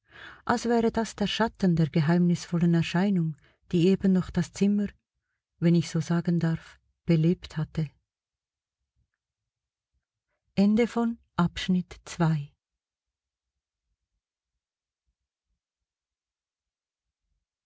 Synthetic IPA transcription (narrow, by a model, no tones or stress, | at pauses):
ʔalsv̥ɛːʁədasd̥eːɐʃatən̩deːɐɡ̥əɦaɪmnɪsfɔlənɛɐʃaɪnʊŋ | d̥iːeːbənːɔχd̥ast͡sɪməʁ | vɛnɪçz̥oːzaːɡəndaʁf | b̥əleːpthatə | ʔɛndəfɔn | ʔapʃnɪtt͡sv̥aɪ